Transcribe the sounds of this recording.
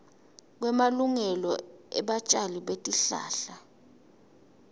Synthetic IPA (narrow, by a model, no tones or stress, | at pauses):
k̬wɛmaluŋɛlɔɛɓat͡ʃʼaliɓetʼiɬa̰ːɬa